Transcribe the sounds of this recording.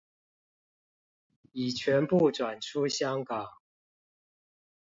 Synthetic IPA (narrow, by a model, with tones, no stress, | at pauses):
i˨˩t͡ɕʰɥɛ˨˦˥npu˥˨ʈ͡ʂwa˨˩nʈ͡ʂʰu˦ɕjɑ˥ŋkɑ˨˩˦ŋ